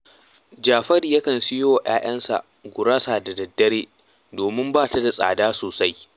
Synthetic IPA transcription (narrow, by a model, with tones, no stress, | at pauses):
d͡ʒaː˨ɸɐ˦ɾjɐ˦kɐ˨nsɪ˦joː˦ʔj̰aː˦ʔɐ˦nsa̰˨ʔ | ɡʷʊ˨ɾaː˦sa˨da˨dɐ˨dːɐ˦ɽeː˦ | doː˨mɪ˦mbaː˦˨ta˦da˨sʼa̰ː˨daː˦soː˨sa˦j